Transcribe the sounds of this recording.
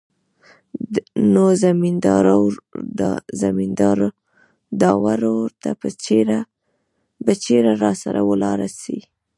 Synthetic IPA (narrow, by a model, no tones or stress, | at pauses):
nozamind̪ɑɾawd̪ɑ̰zamind̪ɑɾ | d̪ɑwaɾoɾt̪apət͡ʃeɾa | bət͡ʃeɾaɾɑsaɾawəlɑɾasi